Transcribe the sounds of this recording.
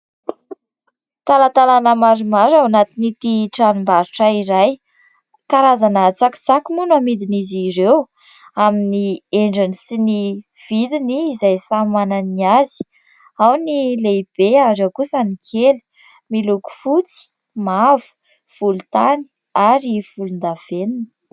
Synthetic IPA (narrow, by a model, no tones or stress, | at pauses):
t̪alat̪alanəmaɾimaɾawanat̪init̪iʈ͡ʂanumbaɾiʈ͡ʂəiɾaj | kaɾazanat͡saki̥t͡sakimunamid̪inizirew | aminieɳɖ͡ʐinisini | v̥id̪iniːzajsamananiazi̥ | awnileib̥eaɾewkusənikʰelə̥ | miluku̥fut͡si̥ | mavu̥ | v̥ulut̪ani̥ | aɾifulund̪av̥enini̥